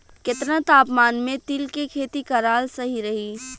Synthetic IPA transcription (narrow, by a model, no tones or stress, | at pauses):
kɪt̪ɾə̃t̪aːpmaːnmẽt̪ilkekʰeːt̪ikɐɾaːlsɐɦiɾɐɦiː